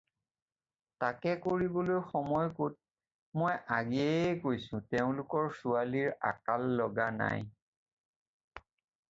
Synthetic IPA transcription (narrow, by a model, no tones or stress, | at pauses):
takɛkoɹibolojxɔmɔjkot̚ | mojʔaɡiɛkojsʊ̃teʊ̃lʊkɔɹsualiɹa̰kalːɔɡana̰j